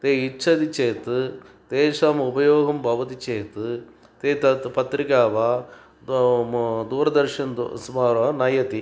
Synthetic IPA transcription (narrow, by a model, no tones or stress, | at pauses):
t̪eːit͡ʃːɐd̪it͡ʃeːt̪ɨt̪eːʂaːmubɐjoːɡɐmbʱɐʋɐt̪it͡ʃeːt̪ɨ | t̪eːt̪ɐpɐt̪ɾikaːʋaː | d̪uːɾɐd̪ɐɾʂɐnsmaːɾɐnɐjɐt̪i